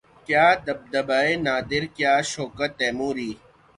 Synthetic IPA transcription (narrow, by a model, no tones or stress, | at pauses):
kjaːd̪ɐb̚d̪ɐbaːenaːd̪ɪɾkjaːʃoːkɐt̪eːmũːɾiː